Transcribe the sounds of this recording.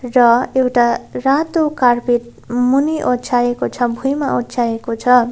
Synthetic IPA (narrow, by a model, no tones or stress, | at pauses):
rʌewʈarat̪ukarpiʈ̚ | muniʔott͡sʰajekot͡sʰʌbʱujmaotsʰaekot͡sʰʌ